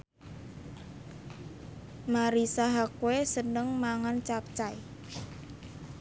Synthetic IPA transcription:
maɾisaɦakwesənəŋmaŋant͡ʃap̚t͡ʃaj

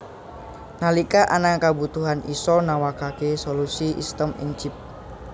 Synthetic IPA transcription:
nalikaʔanaŋkabut̪uɦanʔisɔnawakakesolusiʔḭst̪əmɪ̰ŋt͡ʃip̚

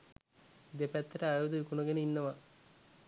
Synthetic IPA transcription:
d̪epæt̪ːəɾəajod̪uʋikunoɡenəinːəʋa

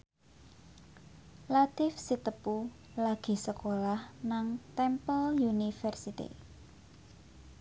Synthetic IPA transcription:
lat̪ɪfsit̪əpu | laɡ̥i̤səkolahnaŋt̪ɛmpəljunifɛrsit̪ḭ

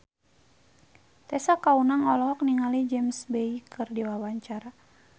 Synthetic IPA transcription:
t̪ɛsakaunaŋɔlɔɦɔk̚niŋalid͡ʒɛmsbɛikʰɨrdiwawaɲt͡ʃaɾa

